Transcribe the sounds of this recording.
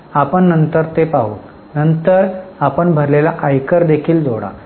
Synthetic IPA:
apəɳːənt̪əɾt̪epaɦuːt̪ | nənt̪əɾapəɳbʱəɾlelaʔajkəɾd̪ekʰiːld͡zoɽa̰

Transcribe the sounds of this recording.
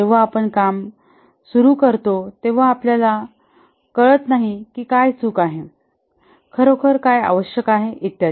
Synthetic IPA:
eʋ̤aːpəɳkam | suɾukəɾt̪ot̪eʋ̤aːpljala | kəɭət̪naɦikiːkajsuːkaɦe | kʰəɾokʰəɾkaja̰ʋəɕjəkaɦeʔit̪ja

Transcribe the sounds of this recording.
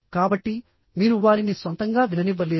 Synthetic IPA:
kaːbɐʈːi | miːɾuʋaːɾinisʋɐnt̪ɐŋɡaːʋinɐniʋːɐleː

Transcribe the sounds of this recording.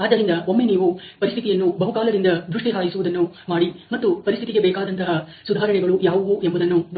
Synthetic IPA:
aːd̪ːɐɾind̪ɐomːeniːʋupɐɾist̪ʰit̪ijɐnːubɐɦukaːlɐd̪ind̪ɐd̪ɾuʂʈiɦaːɡisuʋud̪ɐnːumaːɽimɐt̪ːupɐɾist̪ʰit̪iɡebɛːkaːd̪ɐnt̪ɐɦɐ | sud̪ʱaːɾɐɳɛɡɐɭujaːʋɐʋuʔembɐud̪ɐnːun

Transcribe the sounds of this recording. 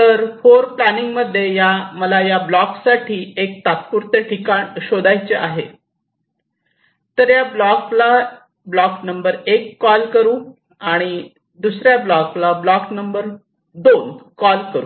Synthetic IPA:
t̪əɾfoɾplæniŋɡməd̪ʱːjejaməlajablɔksaʈʰiːek̚t̪at̪̚puɾt̪jəʈʰikaɳɕod̪ajt͡ɕeʔaɦe | t̪əɾjablɔkla | blɔknəmbəɾekːɔlkəɾũː | aɽ̃i | d̪usɾjablɔklablɔknəmbəɾ | d̪onkɔlkəɾu

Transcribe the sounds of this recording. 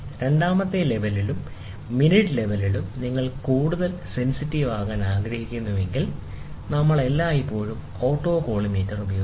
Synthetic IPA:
ɾe̞ɳɖaːmɐt̪ːele̞ʋɐlilumː | iniʈːɨle̞ʋɐlilumniŋːɐɭkuːɽuðɐlse̞nsitːiʋaːɣaːnaːɡɾɐhikʲːunːuʋe̞ŋɡil | nɐmːɐɭe̞lːaːipːo̞ːɻum | o̞ːʈːo̞ːko̞ːɭimiːtːɐrubɐjoː

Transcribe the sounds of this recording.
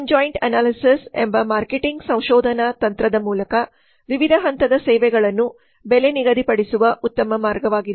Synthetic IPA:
ɲd͡ʒoːjɳɖɐnaːlisisḛmbɐmaːɾkeʈiŋɡsɐ̃w̃ʃɔːd̪ʱɐnat̪ɐnt̪ɾɐd̪ɐmuːlɐkɐ | ʋiʋid̪ʱɐɦɐnt̪ɐd̪ɐsɛːʋɛɡɐɭɐnːu | beleniɡɐd̪ʱipɐɽisuʋɐʔut̪ːɐmɐmaːɾɡɐʋaːɡid̪e

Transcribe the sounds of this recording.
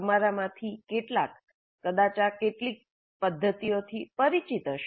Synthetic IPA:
maɾamãt̪ʰikeʈlakː | əd̪at͡ʃakeʈlik̚ | pəd̪ʱːət̪ijot̪ʰipəɾit͡ʃit̪əʃ

